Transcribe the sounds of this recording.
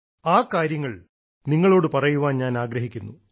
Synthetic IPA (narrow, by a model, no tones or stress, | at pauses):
aːkːaːɾjɐŋːɐɭ | niŋːɐɭo̞ːɽɨpɐrɐjuʋaːnɲaːnaːɡɾɐɦikʲːunːu